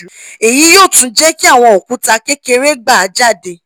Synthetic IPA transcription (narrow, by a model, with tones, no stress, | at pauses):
e˨ji˨˦joː˦˨tũ˧˦d͡ʒɛ˦ki˦a˦˨w̃ɔ̃˧o˨kũ˨˦ta˧ke˦ke˧ɾe˦ɡ͡ba˦˨a˨˧d͡ʒa˦˨de˧